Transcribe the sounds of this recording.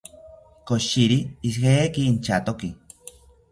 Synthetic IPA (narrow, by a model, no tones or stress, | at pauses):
koʃiɾiːshekiːnt͡ʃat̪oki